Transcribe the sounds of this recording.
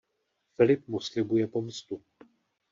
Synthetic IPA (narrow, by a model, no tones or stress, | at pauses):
fɪlɪp̚muslɪbujɛpomst̪u